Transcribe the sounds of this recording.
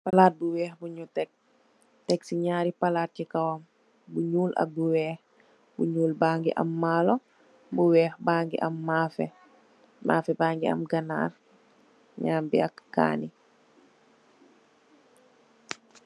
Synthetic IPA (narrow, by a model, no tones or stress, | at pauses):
palaːt̚buwɛːxbuɲutɛk̚ | tɛksiɲaːɾipalaːt̚cikawam | buɲuːlʔa̰k̚buwɛːh | buɲuːlbaːŋɡḭʔa̰mːalɔ | buwɛːxbaːŋɡḭʔamːaːfɛ̰ | mʔaːfɛbaːŋɡia̰mɡɐna̰ːr | ɲambiakːa̰ːni